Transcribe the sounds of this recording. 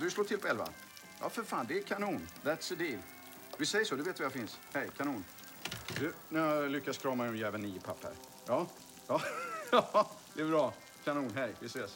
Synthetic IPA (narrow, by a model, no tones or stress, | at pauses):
d̪ɵsloːt̪ʰɪlpʰɔɛlva̰ | jɑ̰ːfœɾfaːnd̪ɛːkʰanuːnðæt̪səd̪ɪl | vɪsɛjːəsɔd̪ɵveːt̪vajafɪnshɛjkʰanuːn | d̪ʉnæɾjalʏkːaskʰɾɑːmaɛnjɛːvənːiːəpʰapːæ̰ɾ | jɑː | jɑɑd̪ɛɛbɾɑː | kʰanuːnɦɛjvɪseːs